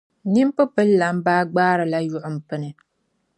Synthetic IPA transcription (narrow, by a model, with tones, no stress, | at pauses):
ni˦m˦pɨ˦pɨ˦lːa˨m˦baː˦ɡ͡baː˦ɾɨ˨la˦jʊ˦ʔʊ˨m̩˨pɨ˦nɨ˨